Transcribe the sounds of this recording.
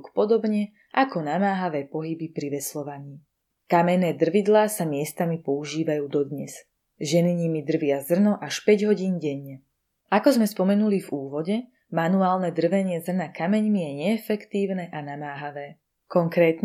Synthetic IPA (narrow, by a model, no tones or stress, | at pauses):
kpɔd̪ɔbɲɛ | ʔakɔnamaːɦaʋɛːpɔɦibipɾiʋɛslɔʋaɲiː | kamɛnɛːd̪r̩ʋid̪laːsamɪɛst̪amipɔuʒiːʋajuːd̪ɔd̪ɲɛz | ʒɛniɲimid̪r̩ʋɪazr̩nɔʔaʃpɛɟɦɔɟiːnɟɛɲːɛ | ʔakɔzmɛspɔmɛnulivuːʋɔɟɛ | manuaːlnɛd̪r̩ʋɛɲɪɛzr̩nakamɛɲmijɛɲɛːfɛkt̪iːʊnɛʔanamaːɦaʋɛː | kɔŋkɾɛːt̪ɲ